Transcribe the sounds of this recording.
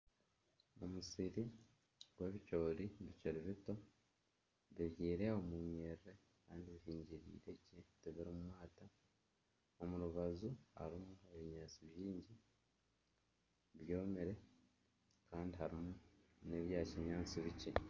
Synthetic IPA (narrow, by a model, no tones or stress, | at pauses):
o̰musiɾi | ɡweβico̞ːɾiβiceɾiβito̞ | βiβjiːɾe̞omuɲeɾɾe | kaːndiβiɦiːɲɟiɾḭːɾe̞citiβiɾimumwaːta | o̞muɾuβazuha̰ɾimue̞βiɲaːt͡siβjiːɲɟi | βjo̞ːmeɾe̞ | kaːndiɦaɾimune̞βjaːciɲɲaːt͡siβice